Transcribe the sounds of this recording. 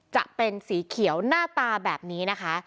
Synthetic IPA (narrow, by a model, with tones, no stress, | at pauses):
t͡ɕa̰˨˩ʔpe˧nsiː˩˦kʰi˨˩˦əwnaː˥˩t̪aː˧bɛː˨˩p̚niː˦˥na˦˥kʰa˦˥